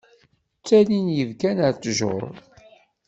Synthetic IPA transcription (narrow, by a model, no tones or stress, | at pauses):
t͡sːælinjəvkænəɾt͡sʒʊ̰ɾˤ